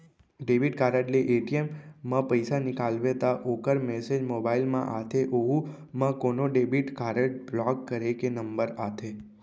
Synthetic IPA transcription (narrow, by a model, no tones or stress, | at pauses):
ɖebiʈkaɾəʈleʔeʈiemːãpəjsanikalʋet̪aʔokəɾmɛsed͡ʒmobailmã̰ʔat̪ʰeʔoɦũ | mãkonoɖebiʈkaɾəʈblɔkːəɾekenəmbəɾat̪ʰe